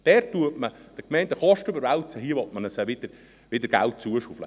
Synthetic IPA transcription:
d̥ɛːɾt̪uətməd̪̥əkmɛɪndəχɑʃtøbəɾʋælt͡səɦiəʋɔt̚mənəsæʋɪd̥̪əɾ | ʋɪd̪əɾɡæ̰lt̚t͡suəʃuflə

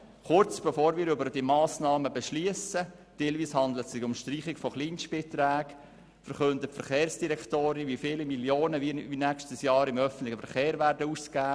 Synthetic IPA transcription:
χʊɾt͡sb̥ɛfoːɾʋiːɾybəɾd̥imɑːsnɑːməbɛʃliəsə | d̥elviːshɑnd̪lətsɪxʊmʃtriːχɪkfɔχliːnʃpɪtɾæːk | fəɾχɵndətfəɾχeːɾsd̥iɾɛktoːɾiʋiːfiːlimiljoːnəʋiinækʃtəsjɑːɾɪmœfən̩tlɪχəfɛɾχeːɾʋæːɾdəuːskæː

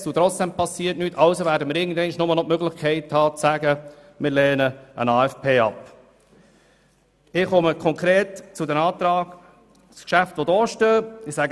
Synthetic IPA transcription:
sut̪ɾɔt͡sd̥ɛmpɑsːiːətnyːtʰɑʊsovæːɾdəmɪɾɪɡən̩d̪ɛɪnʃnʊmənɔpmøɡlɪχkʰɛɪthɑːt͡sæɡə | mɪɾleːnəə̰nɑːɛfpʰeːɑ̰p | ɪχɔməkʰɔŋkʁɾeːtt͡sʊdəɾɑːt̪ɾɑːɡ̥ | skʃæft̪ʋodɔːʃtøːɪsæɡ

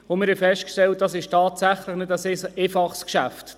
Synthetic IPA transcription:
omɪɾhɛfɛʃtkʃtɛlt̚d̥ɑsɪʃtɑːtsæχləχnɪdæseʔefɑχskʃæft

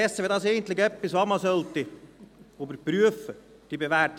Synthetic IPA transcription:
ɛsːəʋid̪ɑːseɪ̥ən̩t̪lɪçɛpːɪsʋɑmɑsœlt̪ɪ | oːbəɾpɾyəfə | d̥ibeʋæt

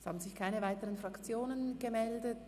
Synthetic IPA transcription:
shaːbn̩zɪçkʰaɪnəvaɪtəʁənfʁɑkt͡sjoːnənɡ̥əmɛldət

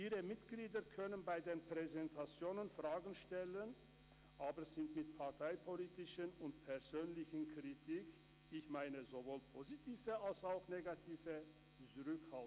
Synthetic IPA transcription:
ʔiːʁəmɪtɡ̥liːdɐkʰœnənbaɪdeːnpʁ̥ɛzɛntʰat͡sjoːnənfʁ̥aːɡn̩ʃtɛlən | ʔaːbəʁzɪntmɪtpʰaʁtʰaɪpʰoliːtɪʃənʊntpʰɛʁzøːnlɪçənkʁ̥itʰiːk | ɪçmaɪnəzovoːlpʰozitʰiːvəalsaʊxneːɡatʰiːvə | t͡suʁʏkhalt

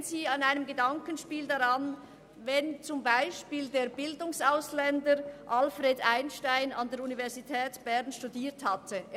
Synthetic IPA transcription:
nziːɑnaɪnəmɡədɑŋkənʃpiːldaʁɑn | vɛnt͡sʊmbaɪʃpiːldeːɐbɪldʊŋsaʊslɛndəɾʔɑlfʁeːdaɪnʃtaɪnɑ̰ndeːɾunivɛʁzitʰɛːtb̥ɛʁnʃtudiːɐthɑtʰə

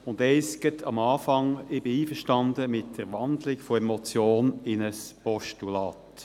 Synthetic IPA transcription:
ʊndɛɪsɡ̥ətʰɑmɑːfɑŋɪb̥ɪiːfəʁʃtɑndəmɪtd̥əɾʋɑndlɪkfoɛmɔt͡sjoːnɪnəspɔʃtulɑːt

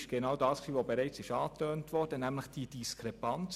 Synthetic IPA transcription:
ʃɡ̥enɑwdɑːsksiːʋobeɾɛɪt͡sɪʃɑːtøːntʋɔrd̥ənæmləχd̥idiskʰɾepɑnt͡s

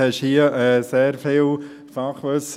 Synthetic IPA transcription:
ɛʃhiəʔɛːseːɾfiːl | fɑχʋøs

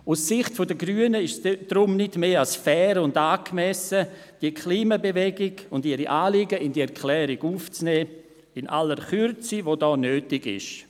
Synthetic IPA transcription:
usːɪχtfodəɡryːənəɪʃsd̥ɾʊmnɪdmeːalsfɛːɾʊndaːkmɛsəd̥iəkʰliːmabevɛɡɪɡʊndiɾiʔaːliɡəɪndiɛɾkʰlɛːɾɪɡuːft͡snɛː | ɪnʔa̰ləɾχyɾt͡sivodɔːnøːtɪɡɪ̰ʃ

